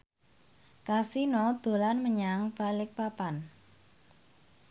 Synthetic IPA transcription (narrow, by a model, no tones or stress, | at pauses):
kasinɔd̪̥o̤lanməɲaŋb̥a̤lɪk̚papan